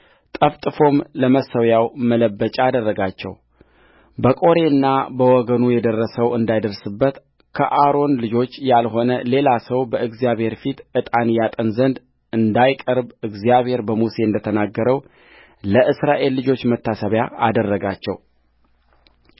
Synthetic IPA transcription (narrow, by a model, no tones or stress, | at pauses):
t̪ʼəft̪ʼɨfo̞mləməsəwjawmələbːət͡ʃʼaːd̪ərːəɡat͡ʃːɛ̰w | bəkʼo̞ɾe̞ɨnːabəwɔɡənujɛd̪ərːəsəwɨnd̪ajd̪əɾsɨbːət̪ | kʰəʔaɾo̞nlɨd͡ʒo̞t͡ʃːjalho̞nəle̞lasəwbəʔɨɡzijaβhe̞ɾfit̪ɨt̪ʼanjat̪ʼənzənd̪ | ɨnd̪ajkʼəɾbɨɡzijaβhe̞ɾbəmuse̞ɨnd̪ət̪ʰənaɡːəɾəw | ləʔɨsɾaʔe̞lːɨd͡ʒo̞t͡ʃːmət̪ʰːasəβjaa̰d̪ərːəɡat͡ʃːɛ̰w